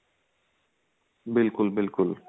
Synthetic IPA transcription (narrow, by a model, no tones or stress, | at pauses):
bilkulbilkul